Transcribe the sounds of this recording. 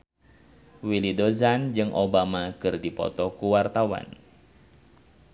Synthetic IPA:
wilidozand͡ʒɨŋʔobamakɨrdipɔ̰t̪ɔkuwart̪awa̰n

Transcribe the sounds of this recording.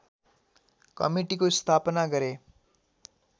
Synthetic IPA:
kʌ̰miʈikost̪ʰapʌnaɡʌɾe

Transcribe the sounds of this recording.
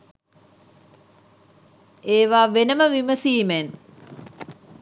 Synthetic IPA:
eːʋaːʋenəməʋiməsiːmen

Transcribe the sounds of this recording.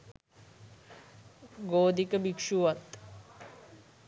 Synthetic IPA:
ɡoːd̪ikɐbikʂuʋɐt̪

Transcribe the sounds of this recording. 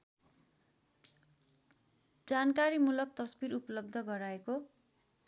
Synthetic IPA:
d͡zankaɾimulʌk̚t̪ʌsbiɾupʌlʌb̚d̪ʱʌɡʌɾaeko

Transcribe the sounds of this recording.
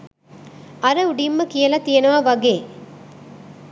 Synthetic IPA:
ɐɾɐʊɽimːɐkijɐlɐt̪ijɐnɐʋaʋɐɡeː

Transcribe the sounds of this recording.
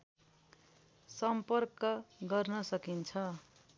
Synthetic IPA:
sʌmpʌrkʌɡʌrnʌsʌkint͡sʰʌ

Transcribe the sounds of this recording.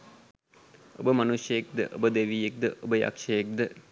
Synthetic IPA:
o̰bəmanuʃjəjek̚d̪ə̰ʔo̰bəd̪eʋijek̚d̪əʔobəja̰kʂɐjek̚d̪ə

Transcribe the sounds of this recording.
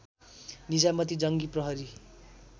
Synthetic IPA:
nid͡zamʌt̪id͡zʌŋɡiprʌɦʌɾi

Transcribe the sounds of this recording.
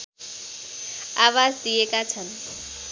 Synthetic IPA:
awad͡zd̪ijekat͡sʰʌn

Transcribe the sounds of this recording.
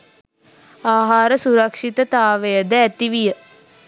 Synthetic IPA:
aːɦaːɾəsuɾɐkʂit̪ət̪aːʋejəd̪əːt̪iʋijə

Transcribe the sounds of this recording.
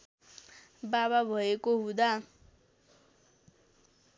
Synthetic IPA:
baβabʱʌekoɦũd̪a

